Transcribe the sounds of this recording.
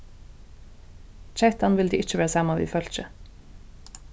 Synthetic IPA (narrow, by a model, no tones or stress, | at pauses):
t͡ʃɛt̪anʋɪld̪ḭːʔɪt͡ʃːəʋeːɾsɑːmaʋḭːfœlt͡ʃə